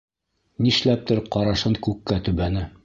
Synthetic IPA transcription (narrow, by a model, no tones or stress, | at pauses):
niʃlæp̚t̪ɘɾqɑɾɑʃɤŋkʉkːæt̪ʉβænɘ